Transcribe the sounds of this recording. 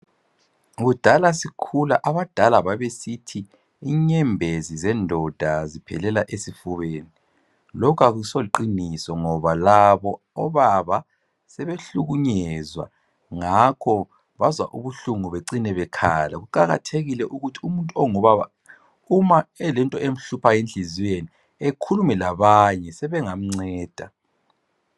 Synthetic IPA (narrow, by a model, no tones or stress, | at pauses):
ɣud̥ʱalasikʰulaʔaβad̥ʱalaβaβesitʰiː | ɲɛmbʱezizɛndʱɔd̥ʱazipʰɛ̰lɛlaʔesifuβeːni | lɔkʰaɣusoliǃinisɔŋɔβalaβɔː | βaβa | sɛβeɬuɣuɲɛzwa̰ | ŋakʰɔ | βazwaʔuβuɬuŋuβeǀinɛβɛkʰa̰la̰ɣuǃaɣa̰tʰeɣilɛʔuɣutʰiumuntʼuɔŋɔβaβa̰ | umaɛlɛntʼɔʔem̩ɬupʰajend͡ɮʱiziweni | ekʰulumɛlaβaɲɛsɛβɛŋam̩ŋ͡ǀɛːd̥ʱa